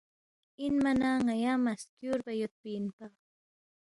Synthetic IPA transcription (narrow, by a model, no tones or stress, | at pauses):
ɪnmanaŋajamaskjʊɾpajʊt̪̚pɪnpɑχ